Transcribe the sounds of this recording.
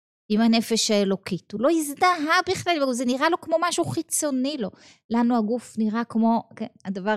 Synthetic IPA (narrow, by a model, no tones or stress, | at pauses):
imhane̞fe̞ʃhaelo̞kitulo̞izd̪aɦabiχlalzeniʁalo̞kmo̞maʃuχit͡so̞nilo̞ | lanuaɡufniʁakmo̞kenad̪ava